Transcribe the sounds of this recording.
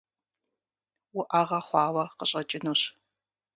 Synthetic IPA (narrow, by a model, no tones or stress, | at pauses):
wuʔaːʁɐχʷɑːwɐqəɕʼɐt͡ʃʼɪnuɕ